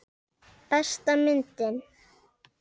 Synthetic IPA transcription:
paʃt̪amɪnt̪ɪn

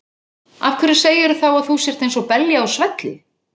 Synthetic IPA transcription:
afkʰvɛɾɪ̥seːjɪɾʏθawaðθusjɛɾ̥t̪ejnsɔpɛljaawsvɛt̪lɪ

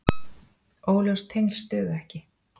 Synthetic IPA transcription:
oːwlœst̪ʰejŋlst̪œːðʏɛhcɪ

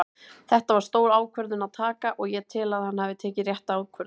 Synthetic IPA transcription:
θɛht̪avaɾ̥st̪oːwɾaːwkʰvœɾðɪnaðt̪ʰaːkaʔɔɣjɛt̪ʰɪlaðhanːhavɪt̪ʰɛːcɪrjɛht̪aaːwkʰvœɾð

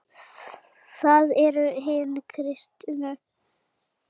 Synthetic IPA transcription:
θaðɛɾʏɦɪːnɪkʰɾɪst̪jʏnʏ

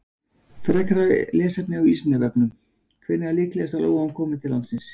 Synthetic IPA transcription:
fɾɛkɾalɛːsɛpnɪawiːsnavɛpnʏm | kʰvɪnɪalɪːklɛɛsalo̰ːwɣamkʰɔːmɪt̪ʰɪlːansɪns

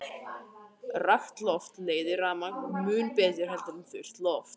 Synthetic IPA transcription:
raft̪lɔft̪leːjðɪɾaːmaŋkmʏːnpɛːt̪jʏɾ̥hɛlt̪anfʏr̥t̪lɔft̪

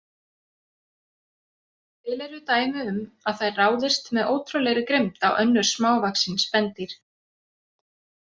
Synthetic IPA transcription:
t̪ʰɪːlɛɾʏt̪aːjmʏʏmaðθajraːwðɪst̪mɛðoːwt̪ʰɾɔlɛɣɾɪkɾejmt̪awʔœnːʏɾ̥smaːwvaksɪnspɛnt̪ɪɾ̥

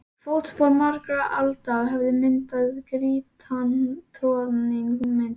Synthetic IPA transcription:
fowt̪spɔlmaɾkɾaʔalt̪aɣɦɛvðɪmɪnt̪aðkɾiːt̪ʰant̪ʰɾɔɾnɪŋhumɪnt̪

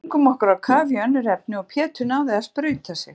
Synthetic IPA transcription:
ŋkʏmɔhkʏɾaðkʰaːvɪœnːʏɾɛp̚nɪɔpʰjɛːt̪ʏnawðɛaðspɾœːɥt̪asjɛx

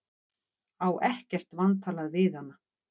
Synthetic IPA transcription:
aːwʔɛhcɛr̥t̪vant̪ʰaːlaðvɪðhanːa

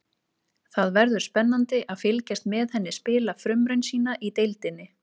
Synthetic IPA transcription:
θaðvɛɾðʏ̥spɛnːant̪ɪʔaðfɪlcɛst̪mɛːðhɛnːɪspɪːlafɾʏmɾɛnsiːnaʔit̪ejlt̪ɪnːɪ

